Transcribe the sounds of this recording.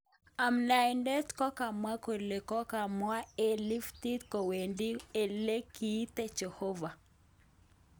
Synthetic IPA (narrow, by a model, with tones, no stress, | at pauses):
a˨mna˨ɪ˨ndɛ˦tkɔ˦ka˨mwa˦ko˨le˨kɔ˦ka˨mwa˦e˦li˦fti˦tkɔ˨we˨ndi˦e˨le˦ki˨˦t̪e˦t͡ʃe˨ho˦va˨